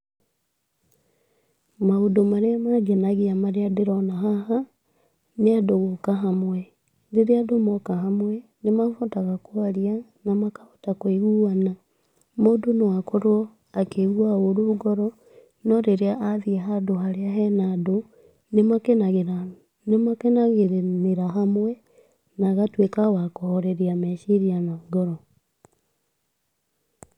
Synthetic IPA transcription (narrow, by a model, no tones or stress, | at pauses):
maodomaɾeamaɡenaɣeamaɾeadeɾɔnaɦaha | neadoɣokaɦamwɛ | deɾeadomɔkaɦamwɛnemafotaɣakwaɾianamakḁfo̥takweɣuana | moːdonewakoɾwɔ | akeɣuaoɾuɡɔɾɔ | nɔɾeɾeaʔaðiɛɦadoɦaɾeaɦɛnado | nemakenaɣeɾa | nemakenaɣeɾneɾaɦamwɛ | naɣatwekawakɔhɔɾɛɾiamɛʃiɾianaɡɔɾɔ